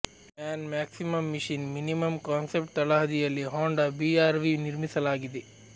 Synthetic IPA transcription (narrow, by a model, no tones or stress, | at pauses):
maːnmaːksimɐmːiʂinminimɐmkaːnsep̚ʈɐlɐɦɐd̪ijɐlːiɦaːɳɖɐbiaːɾʋiniɾmisɐlaːɡid̪e